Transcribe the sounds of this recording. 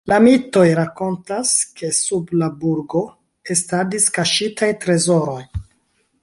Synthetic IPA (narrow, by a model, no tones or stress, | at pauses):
lamito̞jɾako̞ntaskʰe̞sublabuɾɡo̞ | estadiskaʃitʰajtɾe̞zo̞ɾo̞j